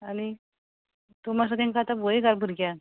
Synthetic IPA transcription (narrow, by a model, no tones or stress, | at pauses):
ani | t̪omas̬at̪ẽŋkaːt̪abojeɡaɾbʱuɾɡja